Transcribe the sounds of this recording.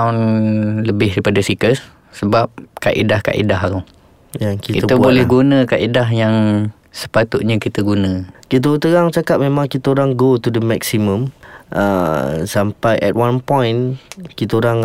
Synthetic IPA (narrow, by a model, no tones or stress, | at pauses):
aʊnləbɪhdipadasikəsː | əbap̚ka̰ʔḭdahka̰ʔḭdaɦɾʊ | jaŋkitkiəəbolɛhɡunə̃kaʔidaɦjaŋ | sə̥pat̪ʊʔ̪̚ɲəkit̪əɡunə̃kit̪̬ət̪əɾaŋt͡ʃakaʔ̚mẽmãŋkit̪əoɾaŋɡot̪udəmɛksimə̃mʔə̰sampajʔɛ̰t̪̚wãnpɔ̃jnkit̪əoɾaŋ